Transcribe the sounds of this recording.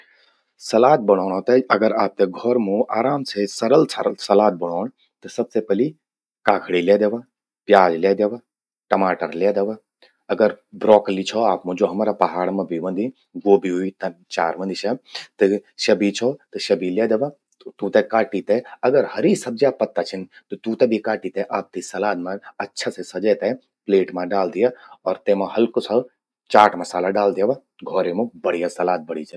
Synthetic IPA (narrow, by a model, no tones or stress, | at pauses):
sɐlaːt̪̚bɐɽ̃oːɳ̃oːt̪eɐɡəɾaːp̚t̪eɡʱɔɾmũaːɾaːmsesɐɾəlsʰɐɾsɐlaːt̪̚bɐɽ̃oːɳ̃ | t̪ɨsɐbsepɐli | kaːkʰɽileːd̪eʋa | pjaːd͡ʒleːd̪eʋa | ʈɐmaːʈəɾleːd̪eʋa | ɐɡəɾbɾɔːklit͡ʃʰɔaːpmũd͡ʒoɦɐmaɾaːpɐɦaːɽmɐ̃bʱiʋɐ̃nd̪i | ɡoːbiɦuit̪ɐt͡ʃa̰ːɾʋɐ̃nd̪iʃʰet̪ɨʃɐbit͡ʃʰɔt̪ɨʃɐbʱiljed̪ɐʋa | t̪ũt̪ekaːʈit̪eɐɡəɾhɐɾisɐb̚d͡ʒaːpːɐt̪ːat͡ʃʰint̪ot̪ũt̪ebʱikaːʈit̪eʔaːp̚t̪isɐlaːt̪mãɐtːʃʰasesɐd͡ʒɛt̪e | pleːʈmãɖaːld̪ijaɔːɾt̪emãɦɐlkosɐl | t͡ʃaːɾʈmɐsaːlaɖaːld̪ijaʋa | ɡʱɔːɾemõbɐɽ̤ijasɐlaːt̪̚bɐɽ̤it͡ʃʰe